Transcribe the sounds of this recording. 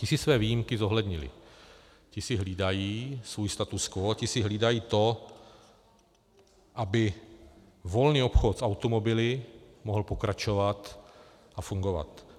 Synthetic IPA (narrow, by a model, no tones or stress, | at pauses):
cɪsɪsvɛːviːjimkɪzo̞ɦlɛd̪ɲɪlɪ̰ | cɪsɪɦliːdajiːsvuːjst̪at̪uskocɪsɪɦliːdajiːt̪o̞ | ʔabɪ | vo̞lniːo̞pxo̞t̪sawt̪o̞mo̞bɪlɪmoɦl̩po̞kɾat͡ʃo̞vat̪ | ʔafuŋɡo̞va̰t̪